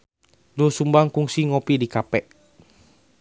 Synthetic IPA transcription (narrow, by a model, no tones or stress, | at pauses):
dosumbaŋkuŋsiŋopidikapɛʔ